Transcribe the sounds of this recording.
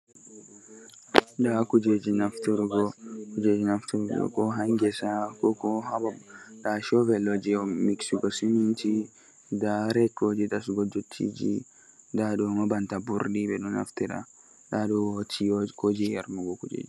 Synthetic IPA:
ɗakud͡ʒed͡ʒinaftiɾɡɔkud͡ʒed͡ʒinaft̪uɾɡɔ̰kɔɦaŋɡɛsakɔkɔhabaɗaʃɔvɛlɔd͡ʒiɔmiksiɡɔsininti | daɾɛkːod͡ʒidasuɡɔd͡ʒutʰːḭd͡ʒḭ | daɗɔmabantabuɾɗibɛɗuna̰ftiɾa̰ | ɗaɗɔwotikod͡ʒijaɾmuɡɔkud͡ʒḛːd͡ʒi

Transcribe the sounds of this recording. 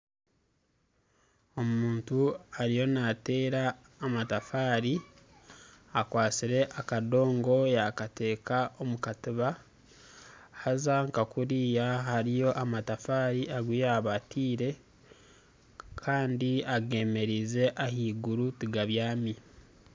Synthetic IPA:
o̞muːntuaɾijo̞nate̞ːɾaː | matafaːɾi | akwaːt͡siɾe̞ʔakado̞ːŋɡo̞jakate̞ːkaomukatiβa | hazaŋkakuɾiːjaɦaɾijo̞ʔamatafaːɾiʔaɡwijaβatʰiːɾe̞ | kʰaːndiaɡe̞ːme̞ɾize̞ʔahiːɡuɾutiɡaβjaːmi

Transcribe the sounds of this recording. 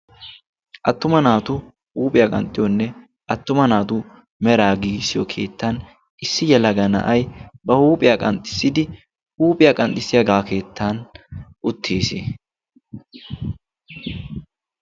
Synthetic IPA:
ʔɐt̪ːʊmɐnaːt̪ʊ | huːpʼɪjakʼɐ̰nt̪ʼːɪjɔnːɛ | ʔɐt̪ːʊmɐnaːt̪u | mɛɾaːɡiːɡsɪjɔkʰe̞̰ːt̪ːan | ɪsːɪjɛlɐɡɐnɐ̰ʔɐjbɐhuːpʼɪjaːkʼɐnt̪ʼːɪ̥sːɪd̪ɪ | huːpʼɪjaːkʼɐnt̪ʼɪsɪjɐɡaːke̞ːt̪ʰːanʔʊt̪ʰːeːsḛ

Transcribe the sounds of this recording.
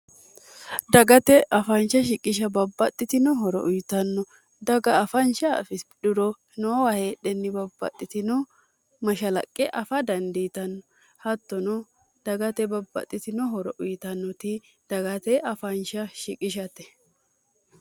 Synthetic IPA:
d̪ɐɡɐt̪ɛʔɐfɐnʃɐʃɪkʼɪʃ̬ɐbɐbːɐt̪ʼːɪt̪ɪnɔɦɔɾɔ̰ʔʊjt̪ɐnːɔ | d̪ɐɡɐːfɐnʃɐɐ̰fɪsʼɗʊɾɔ | nɔwɐheːɗɛnːɪbɐbːɐ̰t̪ʼːɪt̪ɪnʊ | mɐʃɐlɐ̰kʼːɛʔɐfɐd̪ɐnd̪it̪ɐnːɔ | hɐt̪ːɔnʊ | d̪̥ɐɡɐt̪ɛbɐbːɐ̰t̪ʼːɪt̪ɪnɔɦɔɾɔʔʊjt̪ɐnːɔt̪ɪ | d̪̥ɐɡɐt̪ɛʔɐfɐnʃɐʃɪkʼɪʃ̬ɐt̪ɛ̥

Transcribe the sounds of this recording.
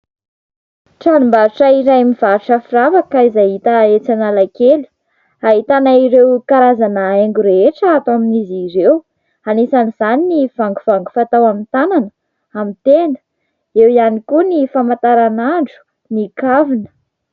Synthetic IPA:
ʈ͡ʂanumbaɾuʈ͡ʂaiɾajmivaɾuʈ͡ʂəfiravakaizaɦit̪aet͡sanalakelu̥ | aɦit̪anaiɾewkaɾazanaeŋɡuɾeeʈ͡ʂəat̪oaminiziɾew | anesaniz̥aniniv̥aŋɡuv̥aŋɡu̥fat̪awamint̪ananə | amit̪enə̥ | ewianikunifamat̪aɾanaɳɖ͡ʐu̥ | nikavinə̥

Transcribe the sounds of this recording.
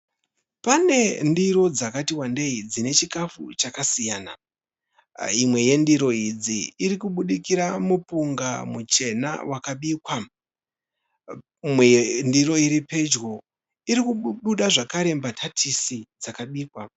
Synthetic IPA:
pane̞ndiɾo̞d͡zakatiwande̞id͡zine̞t͡ʃikafṵt͡ʃakasijaːna̰ | imwe̞je̞ndiɾo̞id͡ziːɾikuɓuɗikiɾamupuŋɡa̰mut͡ʃe̞na̰wʔakaɓiːkwa | mwendiɾo̞iɾipe̞d͡ʒɡo̞ | iɾikuɓuɗaʐakaɾe̞mbatʰatʰisid͡zakaɓiːkwa

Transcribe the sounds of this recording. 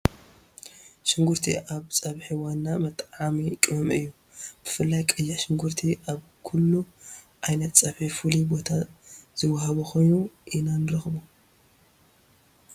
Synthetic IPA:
ʃɪŋɡuɾt̪ʰḭʔaβsʼɐβħiwanːamɐt̪ʼʕamikʼɨɐmʔɨjːu | b̥ɨfɨlːajkʼɨjːaʃɪŋɡuɾt̪ʰiʔaβ | kʰulːu | ʔajnɐt̪t͡sʼɐβħifulibo̞t̪ʰaz̥ɨwahɐβukʰo̞jnuʔinanɨɾɐxbu

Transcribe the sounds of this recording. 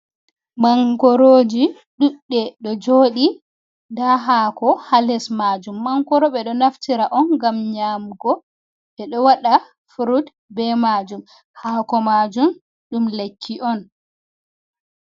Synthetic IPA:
maŋkɔɾoːd͡ʒi | ɗuɗːɛɗɔd͡ʒoːɗi | daɦaːkɔhalɛsmad͡ʒumːaŋkɔɾɔɓɛɗɔnaftʰiɾaʔɔnɡamɲaːmɡɔ | ʔɛɗɔwaɗa | fuɾud | bɛmad͡ʒum | haːkɔmad͡ʒum | ɗumlekʰːiʔɔn

